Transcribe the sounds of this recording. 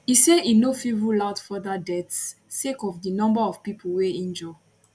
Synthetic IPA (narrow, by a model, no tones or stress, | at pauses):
iseʔinofiɹulatfɔdadɛtsː | ekɔvdinɔ̃mbaɔv̥pipʰoweĩnd͡ʒɔ